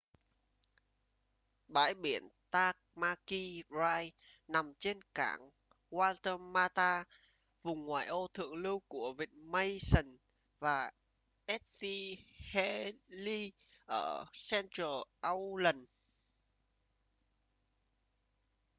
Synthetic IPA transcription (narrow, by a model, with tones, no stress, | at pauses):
ɓa̰ː˧˥jɓi˧˩ənt̪aː˧˥k̚maː˧ki˧zaː˧jna˨˩mt͡ɕe˧nka̰ː˧˩ŋ | ɣwaː˧t̪ə˧maː˧t̪aː˧ | vʊ˨˩ŋ͡mŋwa̰ː˨˩jʔo˧t̪ʰɨ̰˧˨əŋlɨ˧wku˧˩əvi˨˩t̚mə˧jsə˨˩n | vaː˨˩ | ʔɛ˦˥t̚si˧hɛ˧˥li˧ | ʔəː˧˩sɛ˧ntəː˨˩ʔa˧wlə˨˩n